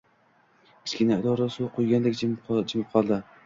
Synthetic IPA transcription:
ɪ̥skʲɪnaɪd̪ɒɾasuqʰojɡʲand̪ekʲd͡ʒd͡ʒɪmɪp̚qʰɒlˠd̪ɪ

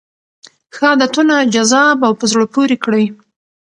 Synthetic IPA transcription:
xɑd̪at̪unad͡ʒazɑbawpəzɽəpoɾikɽəj

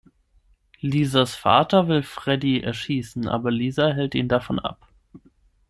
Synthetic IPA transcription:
liːzasfa̰ːtɐvɪlfʁ̥ɛdiʔɛ̰ɐʃiːsn̩ʔa̰ːbɐliːzaɦɛltiːndafɔnʔa̰p

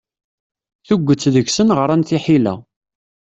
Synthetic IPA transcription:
θuɡʷːət͡sːðəçsənʁəɾˤænθiħilæ̰

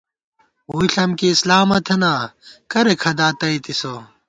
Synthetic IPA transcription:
uiɬɐmkiːslaːmɐt̪ʰenaːkɐɾekʰɐd̪aːt̪ɐit̪iso

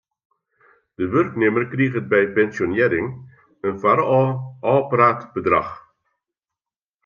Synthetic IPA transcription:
d̥əʋørknɪmərkriːɣət̚bɛjpɛnsjonɪːɾɪŋ | ənfaɾɔːɔːpraːtb̥ədrɑ̰χ

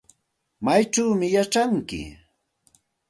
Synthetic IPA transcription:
majt͡ʃawmɪjaʈ͡ʂaŋkɪ̰

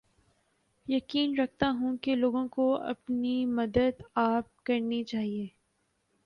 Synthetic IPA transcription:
jɐkiːnɾɐk̚ʰt̪aɦũkeloːɡõkoɐ̰pnimɐd̪əd̪aːp̚kɐɾnit͡ʃaːɦieː

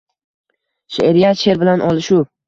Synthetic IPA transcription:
ʃeeɾijaʃe̞ɾbɪlanʔɒlˠɪʃu

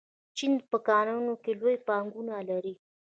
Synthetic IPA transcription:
t͡ʃinpəkɑnanokelojpɑŋɡunalaɾi

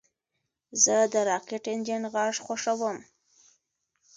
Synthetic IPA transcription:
zəd̪əɾɑkɪʈɪnd͡ʒɪnɣɑʂxoʂawəm

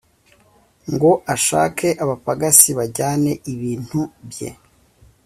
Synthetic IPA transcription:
ŋɡo̞ʔaʃa̰ːkʰe̞ʔaβapaɡasiβaɟaːne̞ʔiβiːn̥hubje̞̰

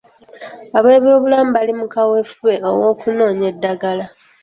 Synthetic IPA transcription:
aβe̞ːβoβulamubalimukawe̞fuβe̞o̞wo̞ːkuno̞ːɲe̞dːaɡala

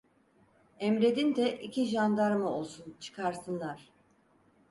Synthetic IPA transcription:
ɛmɾe̞d̪ind̪ɛʔicʰiʒand̪aɾmɯo̞lˠsunt͡ʃʰɯ̥kʰaɾsɯnlˠaɾ̥

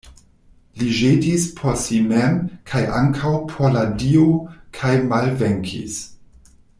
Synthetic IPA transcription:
liʒedispʰosimemkʰajʔa̰ŋkʰawpʰoladiokʰajmalveŋkʰḭs

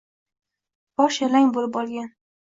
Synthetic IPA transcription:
bɒʃelaŋbolɪp̚bɒlˠɡʲan

